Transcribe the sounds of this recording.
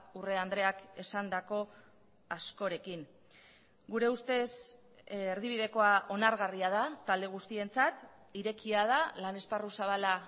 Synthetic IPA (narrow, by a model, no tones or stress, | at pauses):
ure̞and̪ɾe̞ake̞sand̪ako̞ | asko̞ɾe̞kiŋ | ɡuɾe̞ust̪e̞s | eɾðiβiðe̞ko̞aʔo̞naɾɣariað̞at̪ald̪e̞ɣ̞ust̪ie̞nt͡sat̪ | iɾe̞kiað̞alane̞sparusaβ̞ala